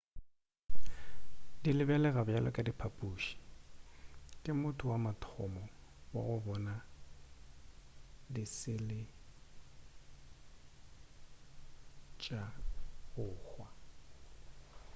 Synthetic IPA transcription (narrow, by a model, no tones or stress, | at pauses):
dilɪbɛlɛɣabjalʔɔkʼadipʰapʼuːʃi̥ | kʼɪmʊtʼʰʊwamatʰɔmɔ | wa̰ɣʊbɔna | dɪsɪlɪ | t͡ʃʼaɣʊːhwa